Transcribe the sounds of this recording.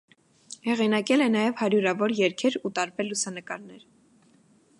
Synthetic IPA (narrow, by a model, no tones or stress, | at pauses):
hɛʁinɑkɛlɛnɑjɛvhɑɾjuɾɑvɔɾjɛɾkʰɛɾut̪ɑɾbɛɾlːusɑnəkɑɾnɛɾ